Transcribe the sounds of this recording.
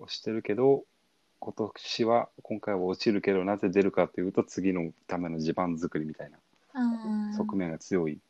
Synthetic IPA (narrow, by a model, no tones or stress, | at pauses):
oɕi̥t̪ːe̞ɾɯ̟ke̞d̪o̞ | ko̞t̪o̞kɕiβakõ̞ŋkaiβao̞t͡ɕiɾɯ̟ke̞d̪o̞naze̞d̪e̞ɾɯ̟kat̪ːe̞jɯ̟ːt̪o̞t͡sɨɡʲino̞t̪ame̞no̞ʑibãnzɨkɯ̟ɾʲimit̪aina | oso̞kɯ̟mẽ̞ŋɡat͡sɨjo̞i